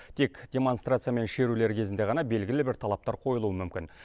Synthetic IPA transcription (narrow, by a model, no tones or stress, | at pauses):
t̪ʰe̞kd̪̥ʲe̞mo̞nst̪ɾrat̪sɨjame̞nʃe̞ɾule̞ɾkʲʰe̞zɪnd̪e̞ʁɑnɑbe̞lɡʲɪlɪbɪɾt̪ʰɑlˠɑp̚t̪ɑɾqʰo̞jəlˠuwəmʏmkʲɪn